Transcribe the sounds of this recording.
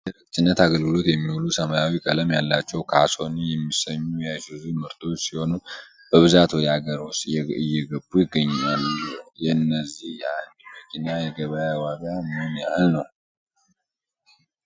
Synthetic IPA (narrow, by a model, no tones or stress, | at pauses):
dəɾɨk̚t̪ʰʼɨnːət̪aɡəlɡɨlo̞t̪jɛmːiwulusəmajawikʼələmjalːat͡ʃːɛwkʰaso̞nijɛmːisəɲːujajsɨzumɨɾt̪ʰo̞t͡ʃːsiho̞nu | ʔɨβzat̪wɔjaɡəɾosɛɨjːɛɡəbujɪɡːəɲːnaljɛɨnːəzihjɛand̪iməkʰinajɛɡəβəjawaɡamɨnjɛalnəw